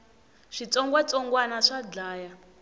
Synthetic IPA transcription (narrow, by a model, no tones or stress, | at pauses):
ʂit͡sʼɔŋɡwat͡sʼɔŋɡwanaʂad͡ɮaːja